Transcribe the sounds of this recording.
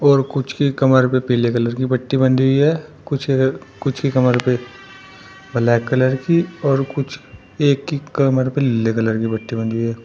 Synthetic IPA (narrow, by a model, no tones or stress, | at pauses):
ɔːɾkʊt͡ʃʰkikɐməɾpepiːlekɐləɾkibɐʈːibɐ̃nd̪ɦʊiɦɛːkʊt͡ʃʰkʊt͡ʃʰkikɐməɾpe | bʱɐlaːkːɐləɾkiɔːɾkʊt͡ʃʰ | eːkːikəməɾpeɪlekɐləɾkibɐʈːibɐ̃nd̪ɦuiɦɛː